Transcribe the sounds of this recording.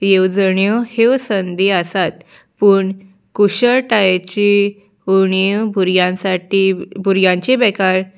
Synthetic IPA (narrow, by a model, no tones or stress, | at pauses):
jewd͡zɳjɔheʋsənd̪iasat̪̚ | puɳ | kuɕəɭʈajt͡ɕi | uɳibʱuɾjãsaʈibʱuɾjãɲt͡ɕebɛkaɾ